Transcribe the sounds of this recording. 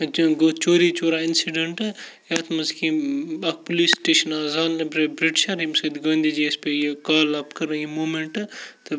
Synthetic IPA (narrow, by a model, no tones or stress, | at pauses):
ɡoːt͡ʃoːɾit͡ʃoːɾaːɪnsiɖeɳʈɨjaːt̪ʰmɐzkiɐk̚poliːsʈeːʃɐnaːzaːnːɐbɾebɾiʈʃaɾimsɐːd̪ɡɐːnd̪id͡ʒiespejekaːlɐpkɐɾɐimoːmeɳʈɨt̪ɨ